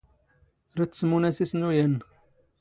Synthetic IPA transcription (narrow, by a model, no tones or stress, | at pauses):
ɾat͡sːsmunæsisnujæn